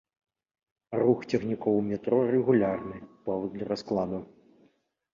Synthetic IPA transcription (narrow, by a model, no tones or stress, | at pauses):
ruxt͡sʲɛxnʲikɔwmʲɛt̪ɾɔrɛɣulʲarnɨpɔvɔd̪lʲɐɾasklˠad̪u